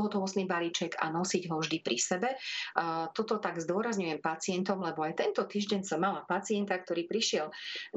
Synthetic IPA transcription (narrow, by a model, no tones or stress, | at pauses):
ɔɦɔt̪ɔʋɔst̪niːbaliːt͡ʃɛɡa̰nɔsiɟɦɔvʒd̪ipɾisɛbɛ | t̪ɔt̪ɔt̪aɡzd̪ʊɔɾazɲujɛmpat͡sɪɛnt̪ɔmlɛbɔajt̪ɛnt̪ɔt̪iːʒɟɛɲsɔmːalapat͡siɛnt̪ak̚t̪ɔɾiːpɾiʃɪɛl